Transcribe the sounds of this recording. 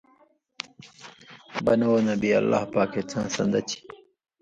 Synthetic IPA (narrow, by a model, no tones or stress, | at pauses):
bɐnoːnɐbiːɐ̰lːa̰ːhpaːkʰet͡sʰã̰ːsɐ̰̃nd̪ɐt͡ɕʰi̥